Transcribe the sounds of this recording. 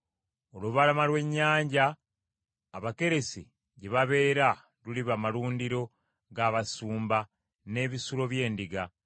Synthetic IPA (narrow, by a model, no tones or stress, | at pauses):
o̞luβalamalwe̞ɲːaːɲɟaː | βake̞ɾe̞sḭ | ɟe̞βaβe̞ːɾa | ɾuliβamaluːndiɾo̞ | ɡaːβasuːmba | ne̞βisuɾo̞βje̞ːndiɡa